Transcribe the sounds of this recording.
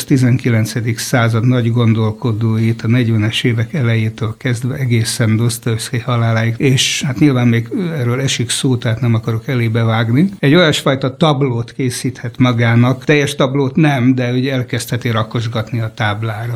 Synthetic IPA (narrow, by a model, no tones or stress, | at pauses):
ʃt̪izɛŋkilɛnt̪sɛd̪iksaːzɒd̪nɒɟɡo̞nd̪o̞lko̞d̪oːjit̪ɒnɛɟʋɛnɛʃeːvɛkɛlɛjeːt̪øːlkɛzd̪ʋɛɛɡeːsɛnd̪ost̪oskɛchɒlaːlaːjikeːʃhat̪ɲilvaːmmeːɡɛrøːlɛʃiksoːt̪ɛɦaːt̪nɛmɒkɒɾokɛleːbɛvaːɡniɛɟːo̞jɒʃfɒjt̪ɒt̪ɒbloːt̪keːsiːt̪hɛt̪mɒɡaːnɒkt̪ɛjːɛʃt̪ɒbloːt̪nɛmd̪ɛoɟɛlkɛst̪hɛt̪iɾɒko̞ʒɡɒt̪niɒt̪aːblaːɾɒ